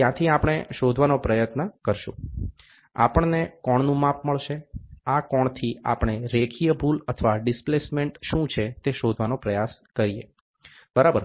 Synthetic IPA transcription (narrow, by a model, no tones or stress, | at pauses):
jãt̪ʰiapəɽ̃eʃod̪ʱʋanopɾəjət̪nəkəɾʃṵ̃ | a̰pəɳnekɔɳnũmapməɭʃeakɔɳ̃t̪ʰia̰pɳ̃eɾekʰijəbulət̪ʰəʋaɖɪsplesmeɳʈʃũt͡ʃʰet̪eʃod̪ʱʋanopɾəjaskəɾijḛ | bəɾabəɾ